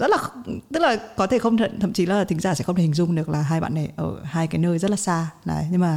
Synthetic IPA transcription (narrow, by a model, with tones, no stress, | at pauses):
zə˦˥t̚laː˨˩xtɨ˦˥k̚laː˨˩kɔ˨˦t̪ʰe˧˩xə˧wŋ͡mt̪ʰə̰˧˨nt̪ʰə̰˧˨mt͡ɕi˨˦laː˨˩˨t̪ï̟˨˦zaː˧˩sɛ̰˧˥xwt̪ʰi˨˩ŋzʊ˧ŋ͡mɗɨ˨˩ək̚laː˨˩ɦaː˧jɓa̰ː˧˨na˨˩jʔəː˧˩haː˧jkaː˨˦jnəː˧jzə˦˥t̚laː˨˩saː˧naː˨˩jɲɨ˧ŋmaː˨˩